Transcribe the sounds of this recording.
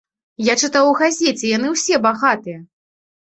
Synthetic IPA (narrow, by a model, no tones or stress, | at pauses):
jat͡ʂɨt̪awuɣazʲet͡sʲɛjanɨwsʲɛbaɣat̪ɨjɛ